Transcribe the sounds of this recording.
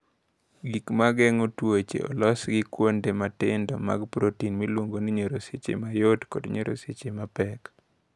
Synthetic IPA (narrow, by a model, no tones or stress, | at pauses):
ɡikmaɡɛŋotwet͡ʃḛɔ̰lɔsɡɪkwondematɪndɔma̰ɡpɾotinmilwoŋɡoniɲoɾoset͡ʃḛmajodkɔ̰dɲoɾo̰set͡ʃemapɛk